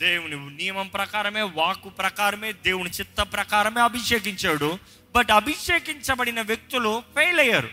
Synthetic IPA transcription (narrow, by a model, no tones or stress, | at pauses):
d̪eːwuninijɐmɐmpɾɐkaːɾɐme̞ːʋaːkupɾɐkaːɾɐme̞ːd̪eːwunit͡ʃit̪ːɐpɾɐkaːɾɐme̞ːɐbʱiʂeːk̬iɲt͡ʃaːɽu | bɐʈɐbʱiʂeːkiɲt͡ʃɐbɐɽinɐʋjek̚t̪ulupʰeːjlɐjːaːɾṵ